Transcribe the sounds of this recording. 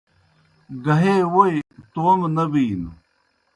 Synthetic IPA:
ɡɐɦeːwojt̪oːmnɐbiːn

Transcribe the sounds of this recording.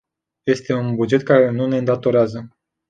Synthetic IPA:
je̞st̪e̞unbud͡ʒe̞t̪̚kaɾe̞nune̞ɨnd̪at̪o̞ɾeazə

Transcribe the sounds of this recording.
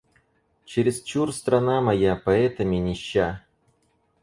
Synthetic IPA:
t͡ɕɪɾʲɪzt͡ɕurst̪ɾɐnamɐjapɐɛt̪əmʲɪnʲɪɕːa

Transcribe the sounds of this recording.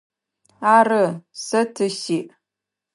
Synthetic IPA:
aːrɨsɐtʰɨɕiːʔ

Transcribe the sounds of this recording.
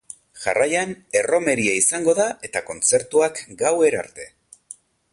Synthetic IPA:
ʝa̰rajane̞ro̞me̞ɾiaisaŋɡo̞ðaʔe̞t̪ako̞nt͡se̞ɾt̪uakɡawe̞ɾa̰ɾt̪e̞

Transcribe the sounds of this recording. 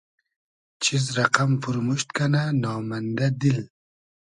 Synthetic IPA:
t͡ʃʰizɾaqampuɾmuʃt̪kananɑːmand̪ad̪il

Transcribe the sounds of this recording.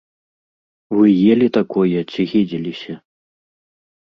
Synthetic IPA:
vɨjeɛlʲit̪akɔjɛt͡sʲiɣʲid͡zʲilʲisʲɐ

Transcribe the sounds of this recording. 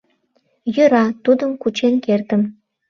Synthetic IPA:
jøɾɑt̪ud̪əmkut͡ɕenkert̪ə̆m

